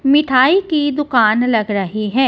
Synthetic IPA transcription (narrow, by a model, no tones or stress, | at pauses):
mɪʈʰaːikid̪ʊkaːnlɐɡɾɐɦiɦɛː